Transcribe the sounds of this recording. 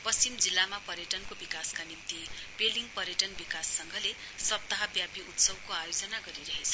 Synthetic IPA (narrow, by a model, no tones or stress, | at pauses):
pʌst͡simd͡zilːamapʌɾjʌʈʌnkobikaskanimt̪ipeliŋɡpʌɾjʌʈʌnbikasːʌŋɡʱʌle | sʌb̚t̪aɦʌbjapiʔut̪sʌbkoajod͡zʌnaɡʌɾiɾʌɦet͡sʰʌ